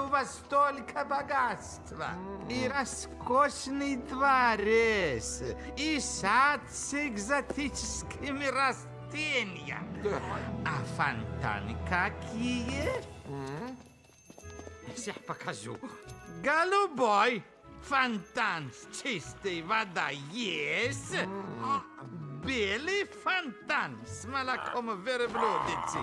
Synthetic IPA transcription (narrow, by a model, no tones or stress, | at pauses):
uvast̪olikʰabaɡast̪va̰iɾaskoʃnid̪vaɾesisat̪siɡzat̪ʰit͡ʃskimiɾas | t̪inja̰ | afant̪a̰nikakʰijə | msiħpakʰaʒṵɡalubɔj | fant̪anst͡ʃist̪ejvad̪ajes | belifant̪ansmalakʰɔmveɾəblod̪et͡si